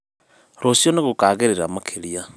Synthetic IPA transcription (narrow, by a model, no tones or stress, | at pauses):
ɾosjoneɣokaːɣeɾeɾamakʰeɾia